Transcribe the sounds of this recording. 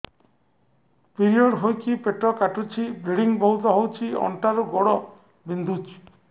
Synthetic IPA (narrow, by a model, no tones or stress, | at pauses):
piɾiɔɽɦojkipeʈɾɔkaʈut͡ʃʰibiɽiŋbɔwt̪ɔɦowt͡ʃʰiɔ̰ɳʈaɾuɡɔɽɔ | bind̪ʱut͡ʃi̥